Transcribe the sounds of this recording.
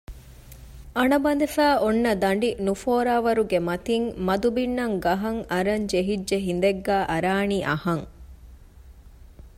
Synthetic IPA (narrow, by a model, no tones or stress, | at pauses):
ɐɳɐbɐnd̪efæːʔonːɐd̪ɐɳɖinufoːɾaːʋɐɾuɡemɐt̪iŋmɐd̪ubinːɐŋɡɐɦɐŋɐɾɐɲd͡ʒeɦid͡ʒʒeɦin̆d̪eɡːæːʔɐɾaːniːʔɐ̰hɐŋ